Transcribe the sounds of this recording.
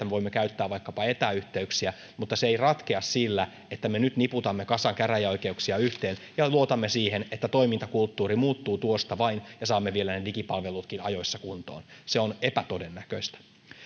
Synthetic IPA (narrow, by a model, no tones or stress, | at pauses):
æmeʋo̞imːekæyt̪ːæːʋɑikːɑpɑet̪æyht̪eyksiæ | mut̪ːɑseeirɑt̪keɑssilːæ | et̪ːæmenyt̪niput̪ɑmːekɑsɑŋkæræjæo̞jkeuksiɑyht̪eːn | jɑluot̪ɑmːesiːhenet̪ːæt̪oimint̪ɑkult̪ːuːɾimuːt̪ːuːt̪uost̪ɑʋɑinjɑsɑːmːeʋielænelikipɑlʋelut̪kinɑ̰jo̞isːɑkunt̪o̰ːnseonepæt̪odenːækø̰ist̪æ̥